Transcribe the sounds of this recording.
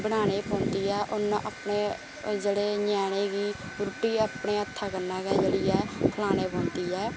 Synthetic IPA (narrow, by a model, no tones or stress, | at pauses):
bəñaːneːpɔ̃ːnd̪iːɛːʔʊnʔapneː | d͡ʒeɽeːɲɛːñeːɡiː | bɾʊʈiːəpɳeːət̪ʰːaːkənːaːkɛːd͡ʒəɽiːɛːkʰəlaːneːpɔ̃ːnd̪iːɛː